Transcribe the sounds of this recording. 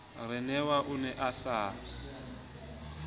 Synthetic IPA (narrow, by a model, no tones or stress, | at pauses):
rɪnɛwaʔunɛʔasaː